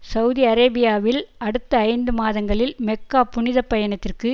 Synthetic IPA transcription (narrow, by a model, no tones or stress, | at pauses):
sɐʊðiɐɾeːbɪjaːʋɪlɐɽɯt̪ːɐːɪnd̪ɯmaːðɐŋɡɐɭɪlmɛkːaːpʊɳɪðɐpːɐjɐnɐt̪ːɪrkɯ